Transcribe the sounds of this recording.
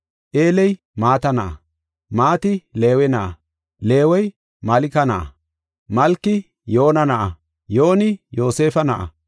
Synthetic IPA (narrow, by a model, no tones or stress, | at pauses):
ʔeːlɛj | maːt̪ɐnɐʔɐ̰ | maːt̪ɪle̞ːwɛnɐʔɐ̰ | le̞ːwɔj | mɐlɪkɐnɐʔɐ̰ | mɐlkːɪ | jo̞ːnɐnɐʔɐ | jo̞ːnɪjo̞ːse̞ːfɐnɐʔɐ̰